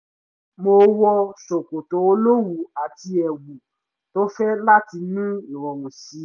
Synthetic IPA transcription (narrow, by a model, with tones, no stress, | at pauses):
mo˧wɔ˧ʃo˨ko˨to˨˦o˧lo˦wu˨a˨ti˧ɛ˨wu˨ | to˦fɛ˦la˦ti˧nĩ˦i˨ɾɔ˨wũ˨si˨˦